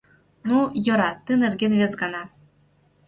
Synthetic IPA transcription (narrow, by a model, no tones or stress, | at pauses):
nujɤ̆ɾɑt̪ːɯnĕrɡʲenvʲet͡sɡɑnɑ